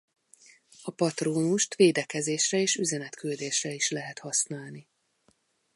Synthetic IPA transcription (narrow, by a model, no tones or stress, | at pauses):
ɒpɒt̪roːnuʃt̪ʋeːd̪ɛkɛzeːʃrɛeːʃyzɛnɛt̪kyld̪eːʃrɛiʃlɛɦɛt̪hɒsnaːlni